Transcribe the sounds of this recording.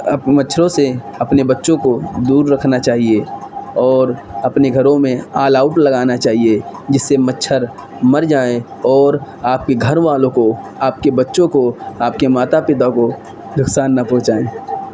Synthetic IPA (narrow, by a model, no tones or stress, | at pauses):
əmətːʃʰɾõseɐpnebɐtːʃõkod̪uːɾːəkʰnat͡ʃaːɦieɔːɾɐpneɡʱɐɾõmẽaːlaːʊʈlɐɡaːnat͡ʃaːɦied͡ʒɪsːemətːʃʰəɾ | mɐɾd͡ʒaːẽ | ɔːɾ | aːp̚keɡʱɐɾʋaːlõko | aːp̚kebɐtːʃõkoaːp̚kemaːt̪apɪt̪ako | d̪ʱʊksaːnːapɔ̃ːt͡ʃaːẽː